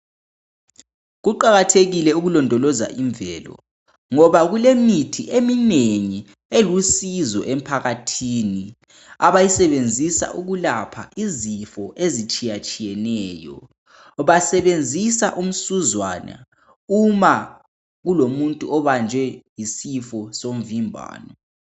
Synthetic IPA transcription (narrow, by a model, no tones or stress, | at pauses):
ɣuǃaɣatʰeɣilɛuɣulɔndʱɔlɔza̰ʔiɱbvɛːlɔ̰ | ŋɔβaɣulemitʰiʔemineŋi | elusizɔ̰ʔem̩pʰaɣatʰiːni | aβajisɛβend͡zʱisa̰ʔuɣulapʰa̰ʔizifɔʔezit͡ʃʼijat͡ʃʼijɛnɛːjɔ̰ | βasɛβend͡zʱisa̰ʔum̩suzwaːna̰ | uma | ɣulomuntʼuɔβand͡ʒʱwɛjisifɔsom̩vimbʱa̰ːnɔ